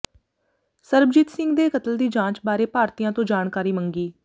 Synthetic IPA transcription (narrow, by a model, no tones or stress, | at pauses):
səɾbd͡ʒɪt̪sɪŋɡd̪eːkət̪əld̪iːd͡ʒãːt͡ʃbaːɾeːpaːɾt̪iːjãːt̪õːd͡ʒaːnkaːɾiːməŋɡiː